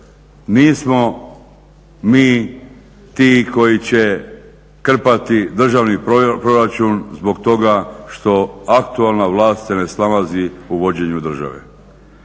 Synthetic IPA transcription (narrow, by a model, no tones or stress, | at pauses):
niːsmo | miː | t̪iːko̞jit͡ɕe | kr̩pat̪id̪r̩ʒaʋnippɾo̞ɾat͡ʃunzbo̞ɡt̪o̞ɡaʃt̪o̞akt̪ualnaʋlˠaːst̪sene̞snalaziuʋo̞d͡ʑeɲud̪r̩ʒa̰ʋḛ